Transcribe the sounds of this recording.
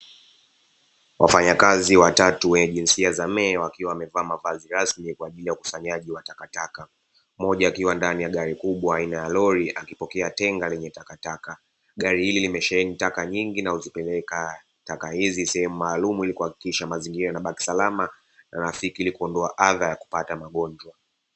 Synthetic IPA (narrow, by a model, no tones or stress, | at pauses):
wʔafaɲakaziwatatuwɛɲɛʄinsiazamɛːwakiwaːmɛvaːmavaziɾasmikwaːʄilijauku̥saɲaʄiwatakataka | mɔʄaːkiwandanijaɠaɾikuɓwaːinajalɔɾiʔakipɔkɛatɛŋɡalɛɲɛtakataka | ɠaɾihililimɛʃɛɛnitakaɲiŋɡinahuzipɛlɛka | takahizisɛhɛmumaːlumuilikuhakikiʃamaziŋɡiɾanaɓaki̥salama | naɾafikiilikuɔndɔaʔaðajaku̥patamaɠɔɲd͡ʒwa